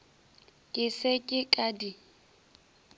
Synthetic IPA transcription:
kʼɪsekʼɪkʼadi

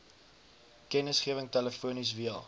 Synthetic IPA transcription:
kɛnəsχiəvəŋtæləfuənis̬viəlˠ

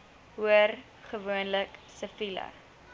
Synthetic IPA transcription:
ɦuər | χəvuənləksəfilɐ̰

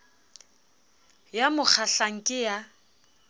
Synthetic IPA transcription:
jamʊk͡xʰaɬaŋ̩kʼɪja

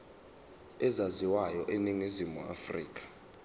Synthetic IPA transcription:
ɛzaziwajɔʔeniŋizimua̰frḭːk̬ʼḁ

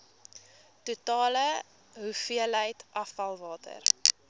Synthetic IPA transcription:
tutɑːlə | ɦufiələjtʔɐfɐlˠvɑːtʰə̰r

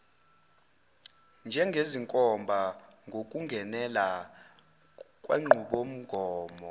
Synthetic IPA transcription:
nd͡ʒʱɛŋɡʱeziŋkʼɔmbʱa | ŋɡʱokʼuŋɡʱɛnɛla | kʼwa̰ŋ͡ǀʱuɓom̩ɡ̥ʱɔːmɔ

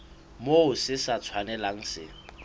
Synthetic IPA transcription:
moʊsɪsat͡sʰwanɛlaŋ̩sɪ̰

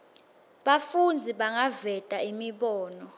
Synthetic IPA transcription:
ɓafund͡zʱiɓaŋavɛtʼaimiɓɔːnɔ

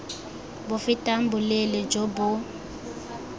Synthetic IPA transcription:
bʊfɪtʼam̩bulelɛd͡ʒobʊ

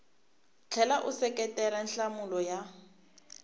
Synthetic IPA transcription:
t͡ɬʰɛlaʔʊsɛkʼɛtɛɾan̩ɬamʊlɔja

